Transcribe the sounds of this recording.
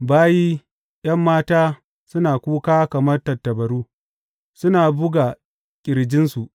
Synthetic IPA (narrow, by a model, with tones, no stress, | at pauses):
baː˦jiː˦ | j̰ɐ˦mːaː˦taː˦ | sʊ˦naː˨kʷuː˦kaː˦kɐ˨mɐ˦rtɐ˨tːɐ˨bɐ˨ɾuː˦ | sʊ˦naː˨bʊ˦ɡa˨ | kʲʼɪ˨ɾd͡ʒɪ˦nsu˨ʔ